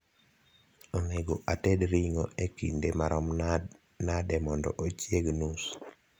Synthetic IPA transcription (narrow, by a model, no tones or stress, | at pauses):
oŋeɡoʔatedɾiŋoekindemaɾɔm | nadɛmɔndɔ̰ʔot͡ʃjeɡnus